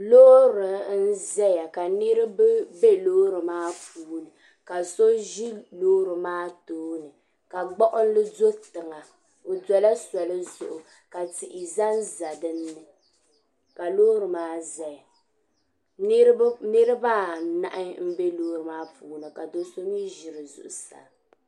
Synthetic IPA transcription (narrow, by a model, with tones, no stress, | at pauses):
loː˦ɾɨ˨n̩˦zɛ˦ja˨ka˨nɨ˦ɾɨ˦bɨ˦be˦loː˦ɾɨ˨maː˦puː˦nɨ˨ | ka˨so˦ʒi˦loː˦ɾɨ˨maː˦toː˦nɨ˨ | ka˨ɡ͡bɔ˦ʔʊ˦n˦lɨ˦zo˦tɨ˨ŋa˨ | o˨dɛ˨la˦sa˨lɨ˦zʊ̰˨ʔʊ˨ | ka˨ti˨ʔi˨za˦nza˨dɨ˦nːɨ˨ | ka˨loː˦ɾɨ˨maː˦za˨j | ni˦ɾɨ˦baː˦na̰˦ʔɪ˦m̩˦be˦loː˦ɾɨ˨maː˦puː˨˦nɨ˨ka˨do˦so˦m˦i˦ʒɪ˨ɾɨ˨zʊ̰˨ʔʊ˨sa̰˨